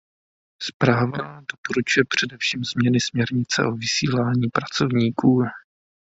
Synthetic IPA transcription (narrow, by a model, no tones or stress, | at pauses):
spɾaːvadopoɾut͡ʃujɛpr̝̥ɛdɛfʃiːmzmɲɛnɪsmɲɛɾɲɪt͡sɛ̰ʔo̞vɪsiːlaːɲiːpɾat͡so̞vɲiːkʰuː